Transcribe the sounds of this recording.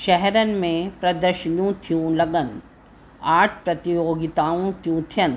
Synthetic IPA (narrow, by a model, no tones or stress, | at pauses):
ʃɛɦɛɾənɪ̆mẽpɾɐd̪əɾʃənijũt̪ʰijũlɐɡən | aːʈʰpɾɐt̪ijoːɡit̪aːũt̪ʰjũt̪ʰijən